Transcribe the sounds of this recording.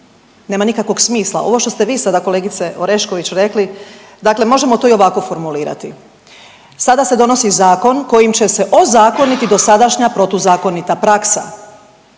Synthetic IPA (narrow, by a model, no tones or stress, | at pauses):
ne̞ːmanikakʋo̞ɡsmiːslˠa̰ʔo̞ʋo̞ʃt̪o̞st̪eʋiːsad̪ako̞leːɡit̪se̞ʔoɾe̞ʃkoʋit͡ɕɾe̞kli | d̪akle̞mo̞ʒe̞mot̪oio̞ʋako̞fo̞ɾmuliːɾa̰t̪i | sad̪ase̞d̪o̞no̞sizaːko̞nko̞jimt͡ɕe̞se̞ʔo̞zaːko̞nit̪id̪o̞sad̪aʃɲapɾo̞t̪ozaːko̞nit̪apɾaksa̰